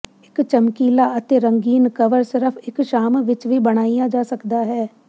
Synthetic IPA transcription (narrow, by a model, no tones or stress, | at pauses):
ɪkt͡ʃəmkiːlaːət̪eːɾəŋɡiːnkəʋəɾsɪɾəpʰɪkʃaːmʋɪt͡ʃʋiːbəɽ̃aːijãːd͡ʒaːsəkd̪aːɦɛː